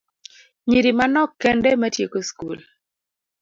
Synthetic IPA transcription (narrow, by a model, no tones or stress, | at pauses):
ɲiɾimanɔkːɛndɛmatjekoskṵl